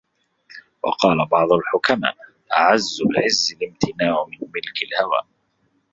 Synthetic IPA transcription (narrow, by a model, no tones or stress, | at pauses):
wɑ̰qɑːlabɑʕd̪ˤʊlħʊkama̰ːʔ | ʔaʕazːʊlɪʕɪzːɪlɪmt̪ʰɪnaːʕʊmɪnmɪlkɪlhawa̰ːʔ